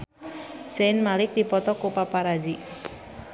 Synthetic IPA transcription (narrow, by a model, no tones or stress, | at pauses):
senmalɪk̚d̪ipɔt̪ɔkopapaɾad͡ʒi